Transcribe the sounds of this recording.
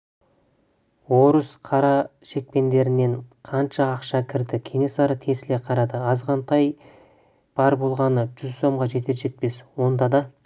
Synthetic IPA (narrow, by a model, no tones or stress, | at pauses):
wo̞ɾəsqʰɑɾɑʃe̞k̚pe̞nd̪e̞ɾɪne̞ɴqʰɑnʃɑːqʃɑkʲʰɪɾd̪ɪkʲʰene̞sɑɾət̪ʰe̞sɪleqʰɑɾɑd̪əɑzʁɑnt̪ʰɑj | b̥ɑɾbo̞lˠʁɑnəʒ̥ʏzso̞mʁɑʒe̞t̪eʒe̞t̪̚pe̞swo̞nd̪ɑd̪ɑ